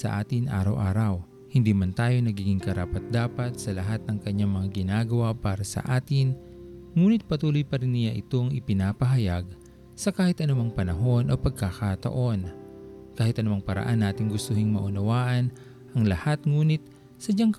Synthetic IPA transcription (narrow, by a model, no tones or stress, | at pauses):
sɐ̰ʔaːt̪ɪnʔa̰ːɾɐwʔaːɾɐw | hɪnd̪iːmɐnt̪aːjo̞nɐɡiːɡɪŋkɐɾa̰ːpɐt̪̚d̪aːpɐt̪̚sɐlɐɦat̪̚nɐŋkɐɲːaŋmɐŋaɡɪnaːɡɐwapaːɾɐsɐ̰ʔaːt̪ɪn | ŋuːnɪt̪̚pɐt̪uːlojpɐɾɪnːɪjaʔɪt̪o̞ɐŋʔɪpɪnaːpɐɦɐjaɡ̚ | sɐkaːhɪt̪ʔɐnʊmaŋpɐnɐɦo̞nʔo̞pɐɡ̚kakat̪ɐ̰ʔo̞nkaːhɪt̪ʔɐnʊmaŋpɐɾɐ̰ʔanːaːt̪ɪŋɡʊst̪ʊhɪŋmɐʔʊnɐwaːʔɐn | ʔɐŋlɐhat̪ŋuːnɪt̪̚ | sɐd͡ʒaŋk